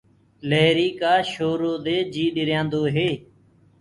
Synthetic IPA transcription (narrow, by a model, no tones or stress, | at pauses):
leːɾiːkaːʃoːɾoːd̪eːd͡ʒiːɗɪɾjãːnd̪oːɦeː